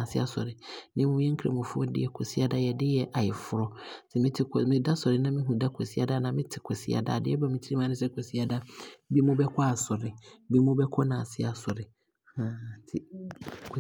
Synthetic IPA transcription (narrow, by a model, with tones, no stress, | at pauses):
ã˨sɪ˦a˦sɔ̰˨ɾɪ˨nɪ̃˦mũ˦ɛ̃˦ŋ̩˦kʰɾḛ˨mʊ̃˨fʊ˦ɔ˦dɪ̰˦jɛ˨kʰɔ˨si˦a˦da˦jɛ˨dɪ˦jɛ˨ʔa˨jɛ˨fʊ˦ɾɔ˦sɛ˨mɪ̃˦tʰɪ˦kʰɔ˨mɪ̃˦da˦sɔ˨ɾɪ˨nã˦mɪ̃˦ɦũ˨da˦kʰɔ˨si˦a˦da˦˨nã˨mɪ̃˦tʰɪ˨kʷʰɛ˨sḭ˦a̰˨da̰ː˨dɪ˦ɛ˦ba˦mĩ˨tʰi˦i˦mã˨˦nʊ̃˦sɛ˦kʰɔ˨si˦a˦da˦bi˦mʊ̃˦bɛ˦kʰʷa˦a˨sɔ˨ɾɪ˨˦bi˦mʊ̃˦bɛ˦kʰɔ˦nãː˨sɪ˦a˨sɔ˨ɾɪ˨ | hã˦tʰɪ˦kʰ